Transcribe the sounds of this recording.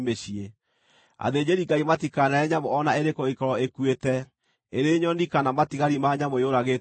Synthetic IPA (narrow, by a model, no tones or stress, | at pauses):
meɕie | a̰ðeɲd͡ʑeɾiɡaimatikanaɛɲamoɔnaeɾekɔikɔɾɔekwetɛ | eɾeɲɔndikanamatiɣaɾimaɲamojoɾaɣe